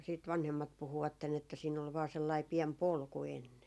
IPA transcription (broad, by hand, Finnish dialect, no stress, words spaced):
siːt ʋɑnhemːɑt puhuʋɑtːen etːæ siːn ol ʋɑː selːɑi piɛm polku enːen